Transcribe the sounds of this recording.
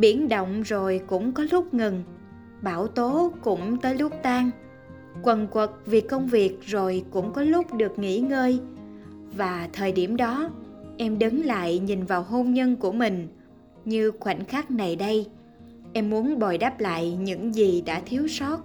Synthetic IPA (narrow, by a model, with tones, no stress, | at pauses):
ɓi˧˩ənɗo̰˧˨wŋ͡mzo˨˩jkʊ̰˧˥ŋ͡mkɔ˨˦lʊ˦˥k͡p̚ŋɨ˨˩ŋ | ɓaː˧˩wt̪o˨˦kʊ̰˧˥ŋ͡mt̪əː˨˦jlʊ˦˥k͡p̚t̪aː˧ŋ | kwə˨˩nkwə˨˩t̚vi˨˩kə˧wŋ͡mvi˨˩ək̚zo˨˩jkʊ̰˧˥ŋ͡mkɔ˨˦lʊ˦˥k͡p̚ɗɨ˨˩ək̚ŋḭ˧˥ŋəː˧j | vaː˨˩t̪ʰəː˨˩jɗi˧˩əmɗɔ˨˦ʔɛ˧mɗɨ˨˦ŋla̰ː˧˨jɲï˨˩nvaː˨˩wɦo˧mɲə˧nku˧˩əmï˨˩ŋ̟ | ɲɨ˧xwa̰˧˩jŋ̟xaː˦˥k̚na˨˩jɗə˧j | ʔɛ˧mːu˨˦ənɓɔ˨˩jɗa˦˥p̚la̰ː˧˨jɲɨ̰˧˥ŋzi˨˩ɗa̰ː˧˥t̪ʰi˨˦əwsɔ˦˥t̚